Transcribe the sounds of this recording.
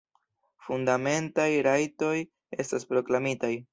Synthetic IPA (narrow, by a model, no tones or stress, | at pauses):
fundame̞ntajɾajto̞j | e̞staspɾo̞klamitaj